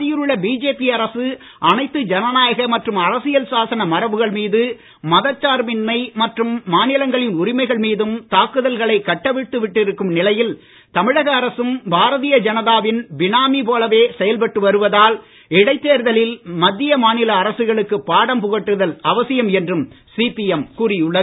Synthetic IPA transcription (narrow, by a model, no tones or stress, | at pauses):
ɪjɪɾɯɭːɐbiːd͡ʒeːpiɐɾɐsɯ | ʔɐnɐɪt̪ːɯd͡ʒɐnɐnaːjɐɣɐmɐʈrɯmɐɾɐsɪjɐlsaːsɐnɐmɐɾɐʋɯɣɐɭmiːðɯ | mɐðɐt͡ʃːaːɾmɪnːɐɪmɐʈrɯmːaːnɪlɐŋɡɐɭɪnʊɾɪmɐɪɣɐɭmiːðɯmt̪aːkɯðɐlɣɐɭɐɪkːɐʈːɐʋɪt̪ːɯʋɪʈːɪɾɯkːɯmnɪlɐjɪl | t̪ɐmɪɻɐɣɐːɾɐsɯmbʱaːɾɐðijɐd͡ʒɐnɐðaːʋɪnbɪnaːmipoːlɐʋeːsɛjɐlpɐʈːɯʋɐɾɯʋɐðaːl | ɪɽɐɪt̪ːeːɾðɐlɪlmɐd̪ːɪjɐmaːnɪlɐːɾɐsɯɣɐɭɯkːɯpːaːɽɐmpʊɣɐʈːɯðɐlɐʋɐsɪjɐmɛndrɯm | siːpiɛmkuːrɪjɯɭːɐðɯ